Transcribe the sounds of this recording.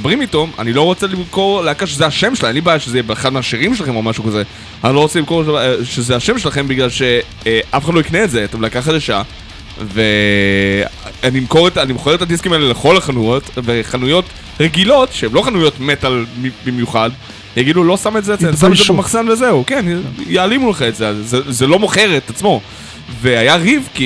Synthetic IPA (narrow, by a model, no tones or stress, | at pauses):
bʁimito̞ma̰nilo̞ʁo̞t͡selimko̞ʁleakaʃezeaʃemʃelaanibaːjaʃezebeːχad̪̚meaʃiʁimʃelaχe̞momaʃukaze | anilo̞ʁot͡selimko̞ʃezeaʃe̞mʃelaχe̞mbiɡlalʃe̞ | ʔafeχadloikneːtzeat̪emleakaχatzeʃa̰ | ve | animko̞ʁetanimχoeet̪adiskimaeleleχo̞laχanujotve̞χanujo̞t | ʁeɡilo̞tʃeemlo̞χanujo̞tmet̪almibimjuχad̪ | jaɡidulo̞sametzeːtesamzeamaχzanvezeukenjaːlimuleχemetzeazzezelo̞moχeʁet̪at͡smo̞ | veajaʁivki